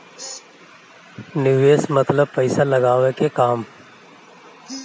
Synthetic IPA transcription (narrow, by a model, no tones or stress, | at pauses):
nɪʋeːsmɐt̪ləb̚pɐɪsalɐɡaːʋekekaːm